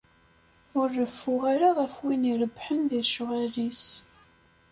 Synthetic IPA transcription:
ʊrːəfːʊʁaɾaʁəfwiniɾəbːħənðiɾʃʊʁælis

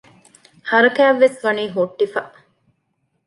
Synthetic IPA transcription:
hɐɾɐkæːʋːesʋɐniːɦoʈːifɐʔ

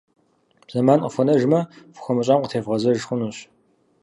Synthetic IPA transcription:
b̥z̥ɐmaːnqəfʷɔnɐʒmɐfʷʊ̥xʷɔmɐɕʼaːmqətʰeːvʁɐzɐʒxʷʊnuɕ

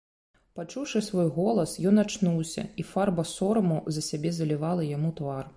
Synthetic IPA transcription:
pat͡ʂuwʂɨsvɔjɣɔlˠɐsjɔnat͡ʂnuwsʲɐ̰ifarbɐsɔɾɐmuzɐsʲabʲɛzɐlʲivalˠɐjamut̪var

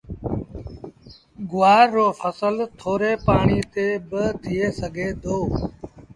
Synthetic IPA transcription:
ɡʊʋaːoːfʰəsəlt̪ʰoːɾeːpaːɳiːt̪eːbət̪ʰɪeːsəɡʱeːd̪ʱoː

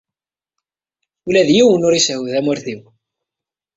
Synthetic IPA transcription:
ulæðjiwənʊɾiswðæmʊɾθiw

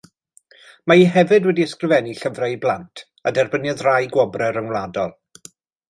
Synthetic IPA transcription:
maiɦɛvɨdwɛdiəskrɨvɛniɬəvraiblˠantʰ | adɛrbənjaðrajɡwɔbrɛɾənwlˠadɔlˠ

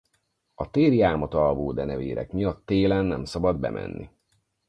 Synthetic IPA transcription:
ɒt̪eːrjaːmɒt̪ɒlvoːd̪ɛnɛvḛːɾɛ̰kmijɒt̪ːeːlɛnːɛ̰msɒbɒd̪bɛ̰mʔɛ̰nːi

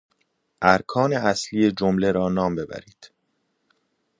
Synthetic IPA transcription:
ʔæɾkʰɒːneæsliːe̞d͡ʒomle̞ɾɒːnɒːmbe̞bæ̰ɾiːd̪̥

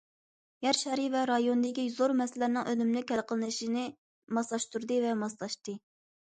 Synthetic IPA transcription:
jɛɾʃɛɾivɛɾɑjonɨd̪ɪkʲizoɾmɛsɪlɪɾnɨŋʔønymnɪkʲɛlqʰəlˠɨnɨʃinɨ | mɑslˠɑʃt̪uɾd̪ɨvɛmɑslˠɑʃt̪ɨ

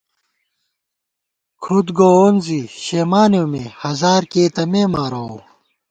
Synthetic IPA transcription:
kʰud̪ɡoːonziɕeːmaːnjomehɐzaːɾkeːt̪ɐmeːmaːɾoo

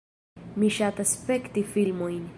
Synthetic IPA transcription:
miʃat̪aspekt̪ifilmojn

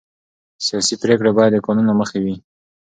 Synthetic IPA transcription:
sijɑsipɾekɽabɑjad̪əkonunaməxewi

